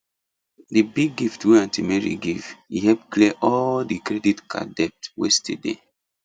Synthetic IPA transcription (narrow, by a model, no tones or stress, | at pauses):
dibiɡiftweãntimeɹḭɡiv̥ihɛpklɛʔɔldikɾɛditkʰa̰dɛp̚twestḭdḛ